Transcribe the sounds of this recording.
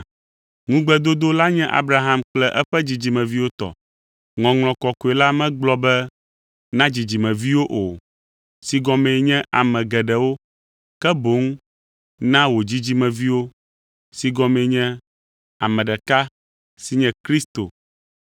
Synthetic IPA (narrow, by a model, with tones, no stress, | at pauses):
ŋũ˦ɡ͡bɛ˦d̪o˦d̪o˦la˦ɲɛ̃˦ʔa̰˦bɾa˦ɦa˦mk͡plɛ˦ʔɛ˦ɸɛ˦d͡ʑi˨d͡ʑi˨mɛ̃˨vi˦wo˦t̪ɔ̰˨ | ŋɔ̃˨ŋl̃ɔ̃˨kɔ˨ko˨e˨la˦mɛ̃˦ɡ͡blɔ˦bɛ˦ | nã˦d͡ʑi˨d͡ʑi˨mɛ̃˨vi˦wo˦ʔo˨ | si˨ɡɔ˨mɛ̃˨ɲɛ̃˦ʔa˨mɛ̃˨ɡɛ˨ɖɛ˨wo˦ | kɛ˦bo˨˦ŋ˦ | nã˦wo˨d͡ʑi˦d͡ʑi˦mɛ̃˨vi˦wo˦ | si˨ɡɔ̃˨mɛ̃˨ɲɛ̃˦ | a˨mɛ̃˨ɖɛ˨ka˦ | si˦ɲɛ̃˨kɾi˦st̪o˨